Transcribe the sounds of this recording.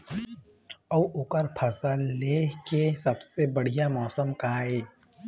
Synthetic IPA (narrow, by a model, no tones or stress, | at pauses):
ɐʋʊkəɾpʰɐsaleːkesɐbsebɐɽ̤ijamɔːsəmkaːeː